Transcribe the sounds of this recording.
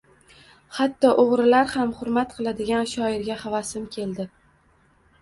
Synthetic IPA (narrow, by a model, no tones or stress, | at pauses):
hat̪ːɒʔoʁɾɪlaɾhamχʊɾmat̪qʰɨlˠad̪ɪɡʲanʃɒɪɾɡʲahavasɪmkʲʰe̞ld̪ɪ